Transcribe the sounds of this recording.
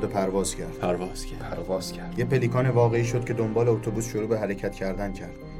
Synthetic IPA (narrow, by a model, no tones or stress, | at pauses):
d̪opʰæɾvɒːz̥cʰæɾd̪̥pʰæɾvɒːz̥ | pʰæɾvɒːz̥cʰæjepʰe̞liːkʰɒːnevɒːɣe̞iːʃo̞d̪̥̚cʰe̞d̪o̞mbɒːleot̪ʰobuːsʃoɾuːbeɦæɾecʰæt̪cʰæɾd̪æncʰæɾd̪̥̚